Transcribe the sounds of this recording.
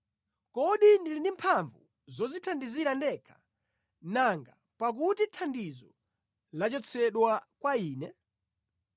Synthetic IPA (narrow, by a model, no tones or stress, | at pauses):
kɔɗindilindimpʰaɱvṵ | zɔzitʰandiziɾandɛkʰḁ | naŋɡa | pak̬utitʰandizɔ | lat͡ʃɔt͡sʰɛɗwakwaiːnɛ